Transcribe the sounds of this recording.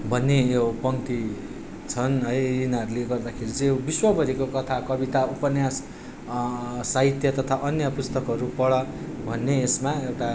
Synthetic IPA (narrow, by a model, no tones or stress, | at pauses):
bʱʌnːejopʌŋt̪i | t͡sʰʌnʌjinaʌɾuleɡʌrd̪akʰeɾit͡sʌ̃jobiswʌbʌɾikokʌt̪ʰakʌbit̪aupʌnjas | saɦit̪jʌt̪ʌt̪ʰaʔʌnjʌpust̪ʌkʌɾupʌɽʌ | bʱʌnːeːsmaewʈa